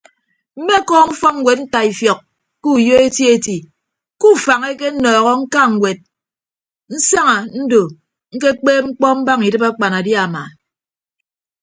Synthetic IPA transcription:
m̩˦me˦˨kɔː˦ŋ̩˦fɔ˦ŋ̩˨we˨t̚n̩˦ta˨i˨fjɔ˨k̚ | ku˦˨jo˦e˦tje˦ti˨ | ku˦˨fa˨ŋe˦ke˦nɔː˨ɣɔ˦ŋ̩˦ka˦ŋ̩˨wʷe˨t̚ | n̩˦sa˦ŋa˨n̩˦do˨ | ŋ̩˦ke˦k͡peː˦ŋ͡m̩˦k͡pɔ˦m̩˦ba˦ŋi˨dɨ˦pa˦k͡pa˨na˨dja˦˨ma˨

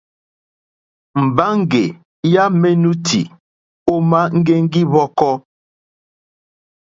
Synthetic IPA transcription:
m̩˨ba˦ŋ̩˦˨ɡe˨ | ja˦me˦nu˦tʰḭ˨ | o˦ma˦ŋ̩˦ɡe˦ŋ̩˦ɡi˦βɔ˦kɔ˦

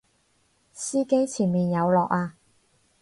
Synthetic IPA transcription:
siː˥ke˥jt͡sʰiː˨˩nmiː˨njɐ˨˧wlɔː˨k̚aː˧

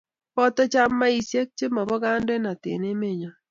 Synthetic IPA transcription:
pɔ˦tɔ˦t͡ʃa˦mːa˦i˨sje˦k̚t͡ʃe˦ma˨bɔ˦ɡa˦nde˦na˨tɪ̰˨ne˦me˦˨ɲa˨

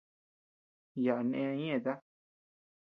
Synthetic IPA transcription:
ja˨a˨nẽ˦˧ã˧˦ɲ˦ẽ˦˨t̪a˦

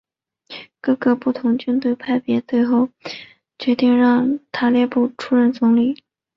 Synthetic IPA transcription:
kɤ˥˧ɡɤ˧pu˥˩t̪ʰʊ˧˥ŋt͡ɕy˥nt̪we˥˩ɪpʰa˥˩ɪpjɛ˧˥t̪we˥˧ɪxo˥˩ʊ | t͡ɕɥɛ˧˥t̪i˥˧ŋɻɑ˥˧ŋt̪ʰa˥ljɛ˥˧pu˥˩ʈ͡ʂʰu˥ɻə˥˩nt͡sʊ˧˥ŋli˨˩˦

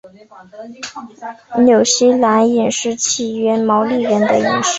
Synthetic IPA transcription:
njo˨˩ʊɕi˥la˧˥ni˨˩nʂɻ̩˥˩t͡ɕʰi˥˩ɥɛ˥mɑ˧˥ʊli˥˩ɻə˧˥nd̪ə̰˧ḭ˨˩nʂɻ̩˥

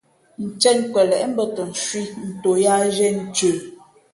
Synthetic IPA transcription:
n̩˨t͡ʃɛ˦nkwɛ˨lɛ˨ʔm̩˦bə˦tə˨n̩˨ʃwi˦n̩˨to˨ja˦ʒɛ˦n̩˨t͡ʃə˨

